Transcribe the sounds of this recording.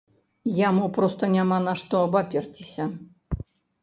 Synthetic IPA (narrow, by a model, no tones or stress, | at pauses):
jamupɾɔst̪ɐnʲamanaʂt̪ɔɐbapʲɛrt͡sʲɪsʲɐ